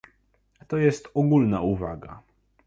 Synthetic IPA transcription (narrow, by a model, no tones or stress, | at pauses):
t̪ɔjɛst̪ɔɡulnauvaɡa̰